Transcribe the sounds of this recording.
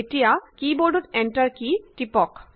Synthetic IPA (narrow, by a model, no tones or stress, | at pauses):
eʈijakiboɖut̪ɛɳʈaɾkiʈipɔk